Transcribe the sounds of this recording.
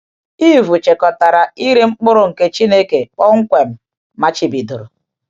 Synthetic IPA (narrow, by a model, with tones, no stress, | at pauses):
i˦vu˨t͡ʃe˨kɔ˨ta˨ɾa˨i˦ɾe˦ŋ͡m̩˦k͡pʊ˦ɾʊ˨ŋ̩˨ke˦t͡ʃi˦ne˦ke˨k͡pɔ˦ŋ̩˦kʷe˨m̩˨ | ma˦t͡ʃɪ˨bi˨du˨ɾʊ˨